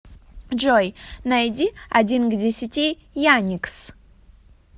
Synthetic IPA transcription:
ʐojnajdʲiɐdʲinɡdʲesʲɪtʲi | janʲiks

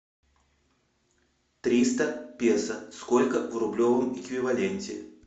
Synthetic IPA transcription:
t̪ɾʲist̪əpʲesəskolʲkəvrʊblʲovəmɪkvʲɪvalʲenʲtʲɪ̰

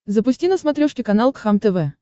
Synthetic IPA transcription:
zəpʊsʲtʲinəsmɐt̪ɾʲoʂkʲɪkɐnalˠkxamt̪ɛvɛ

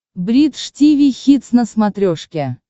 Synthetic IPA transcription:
bɾʲit̪ʂtʲivʲijxʲit̪snəsmat̪ɾʲoʂkʲe

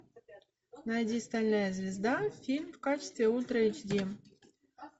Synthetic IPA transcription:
nɑjd̪ʲist̪alʲnajəzʲvʲɪzd̪afʲilʲmfkat͡ɕɪ̥st̪vʲeulʲt̪ɾəit͡ɕd̪ʲi

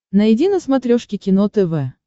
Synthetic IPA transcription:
nɐɪdʲinəsmɐt̪ɾʲoʂkʲɪkʲɪnot̪ɛvɛ

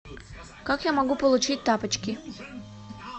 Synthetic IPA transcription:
kɑkjamoɡupolˠut͡ɕit̚ʲt̪ɑpət͡ɕkʲi

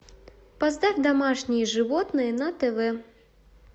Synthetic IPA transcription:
pazd̪afʲd̪amaʂnʲijɛʐɨvɔt̪nɨjɛnɐt̪ɛvɛ

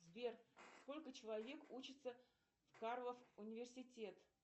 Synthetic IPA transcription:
zbʲersko̞lʲkət͡ɕɪlˠɐvʲekut͡ɕɪt̪sə | fkarlˠəfʊnʲɪvʲɪrsʲɪtʲe̞t̪

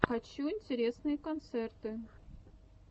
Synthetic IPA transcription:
xat͡ɕːuinʲtʲɪɾʲesnɨjəkont̪sɛrt̪ɨ

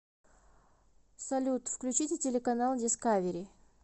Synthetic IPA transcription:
sɐlʲut̪fklʲʉt͡ɕitʲɪtʲɪlʲɪkɐnalˠdʲɪskavʲɪɾʲɪ

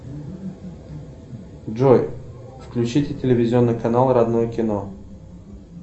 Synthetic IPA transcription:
d͡ʒoj | fklʲʉt͡ɕitʲɪtʲɪlʲɪvʲɪzʲɪo̞nːɨjkɐnalˠɾɐd̪nojəkʲɪno

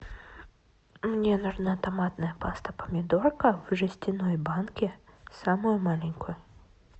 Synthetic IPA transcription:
mnʲenʊʐnat̪ɐmat̪nəjəpast̪əpə̥mʲɪd̪o̞rkəvʐɨsʲt̪ʲɪnojbankʲɪsamʊjʊmalʲɪnʲkʊjʊ

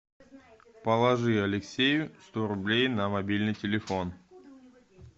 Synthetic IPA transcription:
pəlˠɐʐɨɐlʲɪksʲejʊst̪oɾʊblʲejnɐmɐbʲilʲnɨjtʲɪlʲɪfon

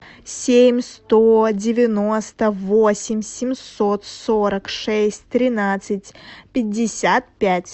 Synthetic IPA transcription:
sʲemʲst̪odʲɪvʲɪnost̪əvosʲɪmʲsʲɪmʲsot̪soɾəkʂɛsʲtʲt̪ɾʲɪnat̪sɨtʲpʲɪdʲːɪsʲat̪̚pʲætʲ

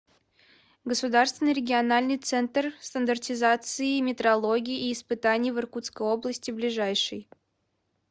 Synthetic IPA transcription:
ɡəsʊd̪arst̪vʲɪnːɨjɾʲɪɡʲɪɐnalʲnɨjt̪sɛnt̪rst̪ənd̪ərtʲɪzat̪sɨɪmʲɪt̪ɾɐlˠoɡʲɪjiʔːspɨt̪anʲɪjəvɨrkut̪skəjo̞blˠəsʲtʲɪblʲɪʐajʂɨj

